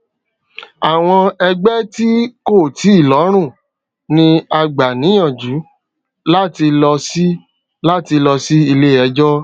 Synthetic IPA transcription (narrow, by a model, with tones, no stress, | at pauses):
a˨w̃ɔ̃˧ɛ˧ɡ͡bɛ˦ti˦ko˦˨ti˨˦i˦˨lɔ˨˦ɾ̃ũ˦˨ | nĩ˧a˧ɡ͡ba˨nĩ˨˦ã˦˨d͡ʒu˨˦ | la˦ti˧lɔ˧si˦ | la˦ti˧lɔ˧si˦i˧le˦ɛ˧d͡ʒɔ˦